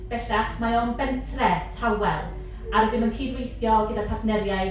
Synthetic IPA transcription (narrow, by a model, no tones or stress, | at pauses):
b̥ɛɬaχmaɔnbɛntʰrɛtʰawɛ̰lˠ | aɾədɪmənkʰiːdwejθjɔɡədapʰafnɛljaj